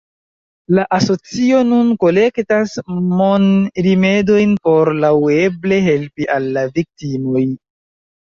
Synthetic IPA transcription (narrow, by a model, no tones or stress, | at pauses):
laʔaso̞t͡sio̞nunko̞le̞ktasmonɾime̞do̞jnpo̞ɾlawe̞ble̞ɦe̞lpiʔalːavik̚timo̞j